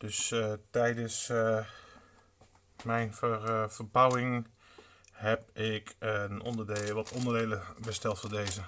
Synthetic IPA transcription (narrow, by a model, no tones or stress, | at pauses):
d̥østɛjdəs | mɛjnfəfərbawɪŋ | hɛp̚ɪkno̰ndərdeːʋɔtʰondərdeːləbəstɛlˠtfodeːzə